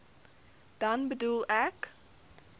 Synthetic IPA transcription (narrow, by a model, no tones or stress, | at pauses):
d̥ɐnbədulˠæk